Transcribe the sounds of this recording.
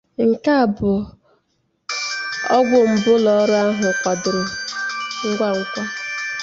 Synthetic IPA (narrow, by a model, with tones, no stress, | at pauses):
ŋ̩˨ka˦a˨bʊ˨ | ɔ˦ɡʷʊ˨m̩˨bʊ˦lɔ˦ɾʊ˦a˦ɦʊ˨kʷɔ˨dʊ˨ɾɪ˨ | ŋ̩˦ɡʷa˦˨ŋ̩˦kʷɔ˦